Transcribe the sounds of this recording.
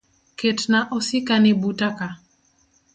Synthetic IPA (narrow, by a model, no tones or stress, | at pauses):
ketnaʔɔsɪkanɪbutaka